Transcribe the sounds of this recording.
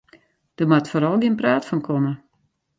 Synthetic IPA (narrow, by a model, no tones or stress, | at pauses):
d̥ərmatfoɾɔlˠɡɪənpraːtfɔnkʰomə